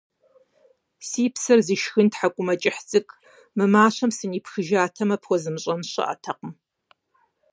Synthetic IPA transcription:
siːpsɐrziʃxɨntħakʷʼʊmɐt͡ʃʼɪħt͡sʼɨkʼ | mɨmaːɕɐmsɨniːpʰxɨʒaːtʰɐmɐpxʷɔzɨmɨɕʼɐmɕɐ̰ʔɐ̰tʰɐqəm

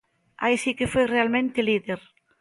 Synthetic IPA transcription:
a̰jsikefejrealmẽnt̪eliðeɾ

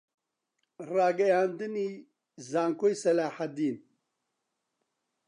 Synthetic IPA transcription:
raːɡɐjaːnd̪ɨni | zaːŋkojsɐlaːħad̪iːn

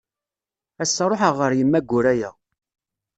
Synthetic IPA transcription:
æsːɑɾˤoħəʁəɾjəmːæɡʷːʊɾæjæ

